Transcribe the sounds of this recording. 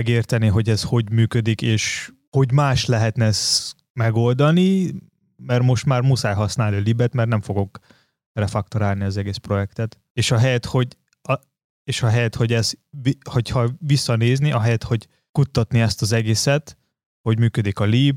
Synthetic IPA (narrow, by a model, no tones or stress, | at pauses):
ɛɡeːrt̪ɛniɦo̞ɟɛzho̞ɟmyːkød̪ikeːʃ | ho̞ɟmaːʃtlɛɦɛt̪nɛs | mɛɡo̞ld̪ɒni | mɛrmo̞ʃt̪maːrmusaːjɦɒsnaːlniliːbɛt̪mɛrnɛɱfo̞ɡo̞k | rɛfɒk̚t̪oɾaːlniɒzɛɡeːspro̞jɛkt̪ɛt̪ | eːʃɒɦɛjɛt̪ho̞ɟ | ɒ | eːʃɒɦɛjɛt̪ho̞ɟɛziho̞chɒvisːɒneːzniɒɦɛjɛt̪ho̞ɟ | kut̪ːɒt̪niɛst̪ɒzɛɡeːsɛt̪ | ho̞ɟmyːkød̪ikɒliːb